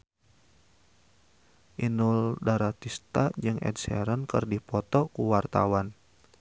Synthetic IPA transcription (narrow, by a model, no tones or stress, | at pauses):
ʔinuldaɾat̪ist̪ad͡ʒɨŋɛ̰dsɛ̰ɾənkərdipɔt̪ɔkuwart̪a̰wan